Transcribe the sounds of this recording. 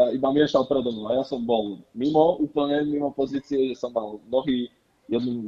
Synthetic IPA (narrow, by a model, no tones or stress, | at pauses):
aibamɪɛʃalpɾɛd̪ɔnuajasɔmbɔlmimɔuːpl̩ɲɛmimɔpɔziːt͡siɛʒɛsɔmːalmnɔɦiː | jɛd̪nu